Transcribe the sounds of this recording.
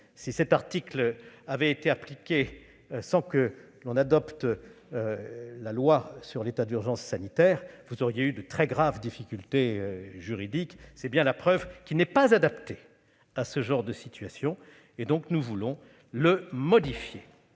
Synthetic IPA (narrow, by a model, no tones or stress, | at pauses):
sisɛt̪aʁt̪iklavɛet̪eaplikʲe | sɑ̃kə | lɔ̃nad̪ɔpt̪ː | lalwasyʁlet̪ad̪yʁʒɑ̃sːanit̪ɛːʁvuzɔʁjeyd̪ət̪χɛɡʁavd̪ifikʲylt̪eøʒyʁid̪iksɛbjɛ̃lapχœvkʲilnɛpazad̪apt̪e | asəʒɑ̃ʁd̪əsit̪ɥasjɔ̃ | ed̪ɔ̃knuvulɔ̃ | ləmɔd̪ifje